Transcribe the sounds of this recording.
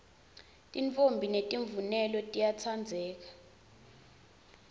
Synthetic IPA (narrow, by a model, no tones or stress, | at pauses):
tʼiɱfombʱinetʼiɱvunɛlɔtʼijat͡sʰand͡zʱɛːk̬ḁ